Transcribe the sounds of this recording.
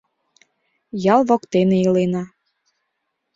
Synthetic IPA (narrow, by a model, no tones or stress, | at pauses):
jɑlβokt̪eneilenɑ